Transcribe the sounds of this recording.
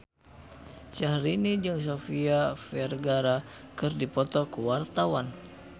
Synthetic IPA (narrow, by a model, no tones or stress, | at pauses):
t͡ʃahɾinid͡ʒɨŋs̬ofiafɛrɡaɾakɨrdipɔt̪ɔkuwart̪awan